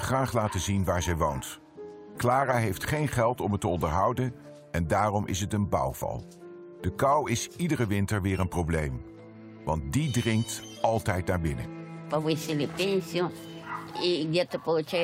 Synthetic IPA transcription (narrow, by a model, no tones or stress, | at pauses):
χraːχlaːtəzinʋaːɹzɛjʋownt | klaːraɦejftχejnχɛlˠtɔmətəɔndəɹɦʌwdən | ɛndaːrɔmʔɪ̰sɦətənbɑ̰wv̥ɑ̰lˠ | d̥əkɑwɪsidərəʋɪntəɹʋɪːɹənprowblejm | ʋɑ̰nt̚didrɪŋk̚t | ɑlˠtɛjt̚naːɹbɪnə̰pawiselepẽnsjõ | idɛt̪əpot͡ʃa